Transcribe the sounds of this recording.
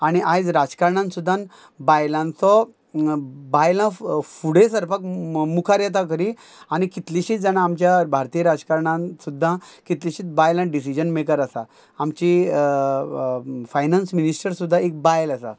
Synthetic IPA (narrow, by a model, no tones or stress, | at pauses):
aɽ̃iʔajd͡zɾad͡zkaɾɳãnsud̪ʱːãn | bajlãnt͡sɔ | bajlãfuɽ̤esəɾpakmukʰaɾjat̪̬ak̬əɾi | aɽ̃ikit̪liɕit͡sd͡zanaːmt͡ɕjabʱaɾt̪ijəɾad͡zkaɾɳãnsud̪ʱːãkit̪liɕiːt͡s̪bajlãɖis̬id͡ʑənmekəɾasaː | mt͡ɕi | fajnansminisʈəɾsud̪ʱːãek̚bajlasa̰